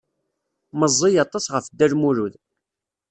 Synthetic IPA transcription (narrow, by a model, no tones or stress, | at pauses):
məzˤːijɑt̪ˤɑsʁəfd̪ːæɾmuɾuð